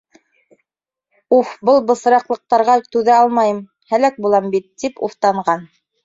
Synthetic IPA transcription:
ufbɤlˠbɤ̆s̆ɾɑqlˠɤ̆q̚t̪ɑɾʁɑt̪ʉðæɑlˠmɑjɤm | hælæk̚bulˠɑmbit̪ːipṵft̪ɑɴʁɑn

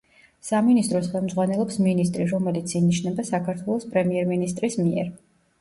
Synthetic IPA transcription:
saminist̪ʼɾɔsχɛlˠmd̪zʁwanɛlˠɔpsminist̪ʼɾiɾɔmɛlit̪sʰiniʃnɛbasakʰaɾt̪ʰwɛlˠɔspʼɾɛmiɛɾminist̪ʼɾismiɛ̰ɾ

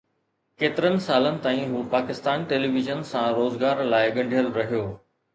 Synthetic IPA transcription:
keːt̪ɪɾənɪ̆saːlənɪ̆t̪aːĩɦuːpaːkɪst̪aːnʈeːliːʋɪʒənsãɾoːzɡaːɾlaːɪɠɐ̃ɳɖʱijəlɾɐɦijoː

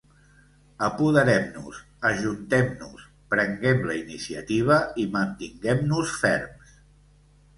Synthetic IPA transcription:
əpuðəɾɛmnṵs | əʒunt̪ɛmnus | pɾəŋɡɛmləinisiə̰t̪iβ̞əimənt̪iŋɡɛmnusfɛ̰ɾms

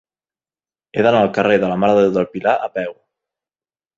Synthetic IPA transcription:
eðanaːlˠkareðəlamaðəewðəlpilaʔapɛw

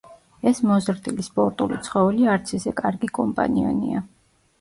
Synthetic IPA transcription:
ɛsmɔzɾd̪ilispʼɔɾt̪ʼulit̪sʰχɔvɛliaɾt̪sʰɛzɛkʼaɾɡikʼɔmpʼa̰nia̰nḭa

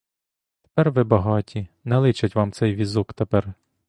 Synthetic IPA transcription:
t̪e̥pɛrʋɪbɐɦɑtʲinɛlˠɪt͡ʃɐtʲʋɑmt̪sɛjʋʲizukt̪epɛr

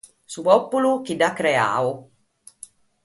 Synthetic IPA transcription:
supɔpːulukidakɾea̰ːu

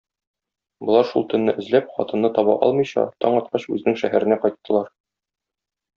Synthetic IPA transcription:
bŏlˠɑɾʃulˠt̪ɵ̆nːɘʔɘ̆zlæp̚χɒ̰t̪ɤ̆nːɤt̪ɒbɑʔɒ̰lˠmɤ̆jɕɑ̰t̪ɒɴɒt̪̚qɑɕʉ̰zɘ̆nɘŋʃæɦæɾɘ̆næqɒjt̪ːɤ̆lˠɑɾ

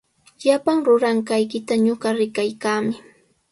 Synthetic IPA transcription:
japaŋɾʊɾaŋkajkɪt̪aɲoɢɑɾɪkajkaːmɪ

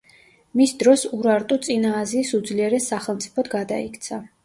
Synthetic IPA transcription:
misd̪ɾɔsuɾaɾt̪ʼut̪sʼinaːziːsud̪zliɛɾɛsːaχɛlˠmt̪sʼi̥pʰɔt̪ɡad̪a̰ikʰt̪sʰa

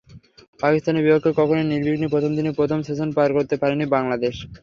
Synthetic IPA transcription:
pakist̪anebipokʰːekɔkʰoneniɾbʱiknipɾot̪ʰomd̪inepɾot̪ʰomseʃonpaɾkoɾt̪epaɾenibaŋlad̪eʃ

